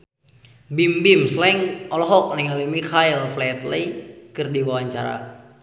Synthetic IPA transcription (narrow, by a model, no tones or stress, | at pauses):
bimbimslɛŋɔlɔɦɔk̚niŋalimikʰailflɛt̪ləjkɨrdiwawaɲt͡ʃaɾa̰